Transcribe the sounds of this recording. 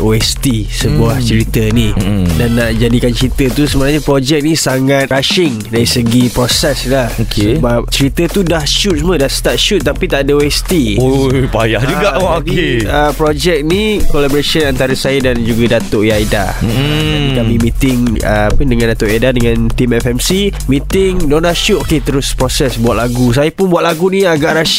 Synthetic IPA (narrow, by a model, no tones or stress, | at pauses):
ʔoɛst̪i | səbuaht͡ʃəɾit̪ənidanːaʔd͡ʒadikant͡ʃəɾit̪ət̪usəmənaɲapɾod͡ʒɛk̚nisaŋat̪̚ɾaʃɪŋdaɾisəɡipɾosɛslahokʰseəbap̚t͡ʃəɾit̪ət̪udahʃut̪̚smədast̪at̪̚ʃut̪̚ːapit̪aʔadaoɛst̪iojpajahd͡ʒuɡaoieəpɾod͡ʒɛk̚nikolabɔɾasiənant̪aɾəsajadand͡ʒuɡadat̪oʔjajda̰ | anik̪amĩmĩt̪ɪŋə̰apəndəŋãndat̪oʔiadadəŋãnt̪imɛfɛmsimĩt̪ɪŋnɔnaʃut̚oket̪əɾʊspɾosɛsbuat̪̚laɡus̬ajapʊnbuwat̪̚laɡunĩaɡaʔɾaʃ